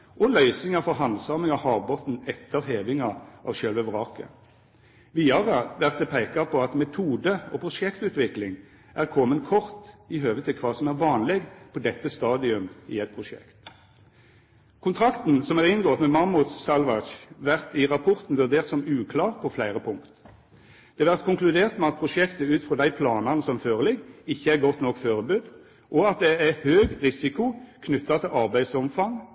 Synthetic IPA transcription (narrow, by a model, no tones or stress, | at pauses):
ʔɔlœʏsnɪŋɑfɔʁɦɑnd̪sɑːməŋɑhɑːʁbɔt̪n̩ɛt̪ʰːəʁɦeːʋɪŋɑʔɑ̰ʋʃœlʋəʋʁɑːkə̰ | ʋiːɑʁəʋæʁt̪̚d̪ɛpʰeɪkɑpʰɔɑt̪mɛt̪ʰuːd̪əɔpʰʁʊʂɛkt̪ʉːt̪ʋɪklɪŋ | ʔæʁkʰɔmənkʰɔʁt̪ɪɦøːʋət̪ʰːɪlkʰʋɑːsɔmæʁʋɑːnleːɡpʰɔd̪ɛt̪ːəst̪ɑːd̪ɪʉmḭːɛt̪̚pʰʁʊʃɛ̰kt̪ | kʰʊnt̪ʰʁɾɑkt̪n̩sɔmæʁɪnɡoːt̪mɛmɑʁmʊt̪sɑlʋɑt͡ʃʋæʁt̪ɪʁɑpʰɔʁt̪n̩ʋʉʁd̪eːʁt̪sɔmʉːkʰlɑːʁpʰɔflæɪʁəpʰʊŋkt̪ | d̪̥ɛɑʋæʁt̪kʰʊŋklʉd̪eːʁt̪mɛɑt̪̚pʰʁʊʃɛkt̪əʉːt̪fʁɔd̪æɪpʰlɑːnɑnəsɔmføːʁəlɪɡːɪçːəæʁɡɔt̪nɔkːføːʁəbʉːd̪ | ʔɔɑt̪̚d̪ɛæhøːɡʁɪsɪkʊkʰnʉt̪ːɑt̪ʰɪlʔɑʁbæɪd̪sɔmfɑŋ